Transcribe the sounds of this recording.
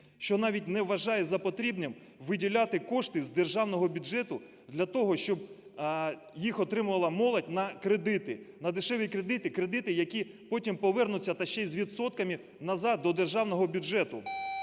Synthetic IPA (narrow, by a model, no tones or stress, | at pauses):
ʃt͡ʃɔnɑʋʲit̚ʲnɛʋːɐʒɑjɛzɐpɔt̪ɾʲibnʲɛm | ʋɪdʲilʲat̪ɪkɔʂt̪ɪzd̪erʒɑwnɔɦɔbʲʊd͡ʒɛt̪ʊ | d̪lʲɐt̪ɔɦɔʃt͡ʃɔb | jixɔt̪ɾɪmʊʋɐlˠɐmɔlˠɐt̚ʲnɐkɾed̪ɪt̪ɪnɐd̪ɪʃɛʋʲikɾed̪ɪt̪ɪkɾed̪ɪt̪ɪjɐkʲi | pɔtʲimpɔʋɛrnʊt͡sʲːɐt̪ɐʃt͡ʃɛzʲʋʲidt̪sɔt̪̚kɐmɪ | nɐzɑd̪̚ːɔd̪erʒɑwnɔɦɔbʲud͡ʒɛt̪ʊ